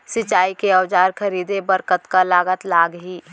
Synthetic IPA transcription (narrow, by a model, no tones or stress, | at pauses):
sɪt͡ʃaːikeəwd͡ʒaːɾkʰəɾiːd̪ebəɾkət̪kalaːɡət̪laːɡɦiː